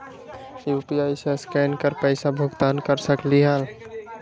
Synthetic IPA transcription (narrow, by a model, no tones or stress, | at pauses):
jupiaɪsəskɛnkəɾpəjsabʱʊɡt̪ankəɾsəkliɦal